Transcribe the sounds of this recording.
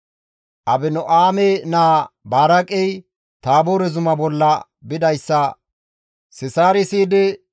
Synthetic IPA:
ʔɐbɪnɔʔaːmɛnaːbaːɾɐkʼɛj | t̪aːboːɾɛzʊmɐbɔlːɐ | bɪd̪ɐjsːɐ | sɪsaːɾɪsiːd̪ɪ

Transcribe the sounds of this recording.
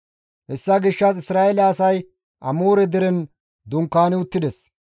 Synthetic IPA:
hɛsːɐɡɪʃːɐsɪsɾaːelɐɐsɐj | ʔɐmuːɾɛd̪ɛɾɛn | d̪ʊŋkːaːnɪʊt̪ːɪd̪ɛs

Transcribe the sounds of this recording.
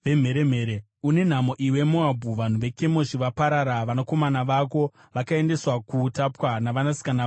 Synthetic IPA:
ʋem̤e̞ɾem̤e̞ːɾe | une̞n̤amo̞ʔiwe̞moabʱuʋan̤uʋe̞kemo̞ʃiʋapaɾaɾaʋanako̞manaʋako̞ | ʋakae̞nde̞swakutapwanaʋanasi̥kana

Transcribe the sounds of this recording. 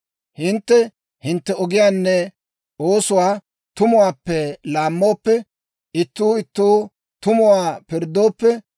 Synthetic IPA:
hɪnt̪ːɛ | hɪnt̪ːɛɔɡɪjaːnːɛ | oːsʊwaː | t̪ʊmʊwaːpːɛlaːmːo̞ːpːɛ | ʔɪt̪ːuːɪt̪ːuː | t̪ʊmʊwaːpɪɾd̪o̞ːpːɛ

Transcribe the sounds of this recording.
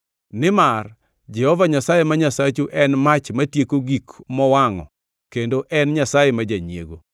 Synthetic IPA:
nɪmar | d͡ʒɛhɔvaɲasajemaɲasat͡ʃuʔɛnmat͡ʃmatjekoɡikmɔwaŋɔ̰ | kendoʔɛnɲasajemad͡ʒaɲiḛɡo

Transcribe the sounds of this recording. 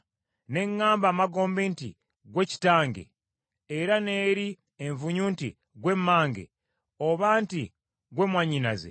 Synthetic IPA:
ne̞ŋːaːmbaːmaɡo̞ːmbeːntḭ | ɡwe̞ci̥taːŋɡḛ | eɾane̞ːɾi | eɱvuɲuːntḭ | ɡwe̞mːaːŋɡḛ | oβaːnti | ɡwe̞ːmwaɲina̰zḛ

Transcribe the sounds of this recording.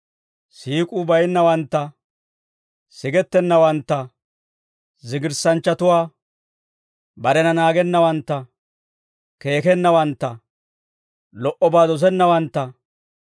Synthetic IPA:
siːkʼʊbɐjɪnːɐwɐnt̪ːɐ | sɪɡɛt̪ːɛnːɐwɐnt̪ːɐ | zɪɡɪɾsɐnt͡ʃːɐt̪ʊwaː | bɐɾɛnɐnaːɡɛnːɐwɐnt̪ːɐ | ke̞ːkɛnːɐwɐnt̪ːɐ | lɔʔɔbaːd̪ɔs̬ɛnːɐwɐnt̪ːɐ

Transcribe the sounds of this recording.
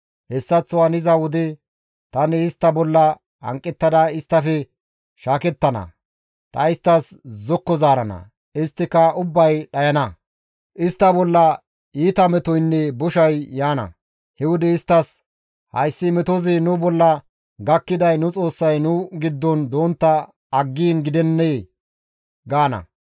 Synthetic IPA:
hɛsːɐt͡sːʊwɐnɪzɐwʊd̪ɪ | t̪ɐnɪːst̪ːɐbɔlːɐ | hɐ̰ŋkʼːɛt̪ːɐd̪ɐɪst̪ːɐfɛ | ʃaːkɛt̪ːɐnɐ̰ | t̪ʼɐɪst̪ːɐszɔkːɔzaːɾɐnɐ̰ | ɪst̪ːɪkɐʊbːɐjɗɐjɐnɐ | ʔɪst̪ːɐbɔlːɐ | iːt̪ɐmɛt̪ɔjnːɛbɔʃɐjjaːnɐ̰ | hɛwʊd̪ɛɪst̪ːɐs | hɐ̰jsːɪmɛt̪ɔzɪnʊbɔlːɐ | ɡɐkːɪd̪ɐjnʊt͡sʼo̞ːsːɐjnʊɡɪd̪ːɔnd̪o̞ːnt̪ːɐː | ɡːiːnɡɪd̪ɛnːe | ɡaːnɐ̰

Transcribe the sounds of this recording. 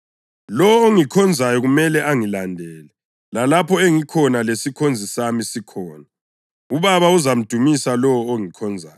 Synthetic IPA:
lɔwɔoŋikʰɔnd͡zʱajɔɣumɛlɛʔaŋilandʱɛːlɛ | lalapʰɔeŋikʰɔnalesikʰond͡zʱisamisikʰɔːna | uβaβauzam̩d̥ʱumisalɔwɔoŋikʰɔnd͡zʱaːjɔ

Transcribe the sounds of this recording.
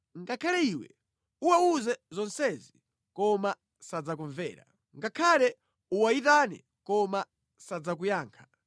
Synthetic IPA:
ŋɡakʰalɛiwɛ̰ | uwauzɛzɔnsɛzi | kɔma | sad͡zakɔɱvɛ̰ːɾa̰ | ŋɡakʰalɛ | uwaitanɛ̰ | kɔma | sad͡zak̬ujaːŋkʰḁ

